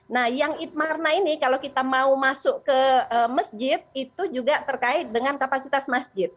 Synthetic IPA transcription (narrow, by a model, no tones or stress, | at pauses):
nahjaŋit̪̚marnainikalawkit̪amaumasʊʔkəəməsd͡ʒɪt̪̚it̪ud͡ʒuɡat̪ərkaɪt̪̚dəŋankapasit̪asmasd͡ʒɪt̪̚